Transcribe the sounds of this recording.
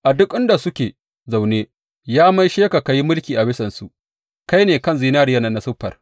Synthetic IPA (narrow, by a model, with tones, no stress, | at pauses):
ʔa˨dʊ˦kʼʔɪ˦nda˨sʊ˦kʲeː˨ | za˨wneː˦ | jaː˦mɐ˦jʃeː˦ka˨ka˨ji˦mʊ˦lkʲiː˨ʔa˨bɪ˦sɐ˨nsu˨ʔ | ka˦jneː˨kɐ˦˨nziː˨naː˦ɾɪ˦ja˦˨nɐ˨nːa˨sʊ˦ɸːɐ̰˨r